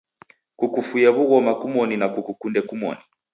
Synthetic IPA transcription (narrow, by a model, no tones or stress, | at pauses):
kukufujɛβuɣɔmakumɔninakukukundɛkumɔ̰ni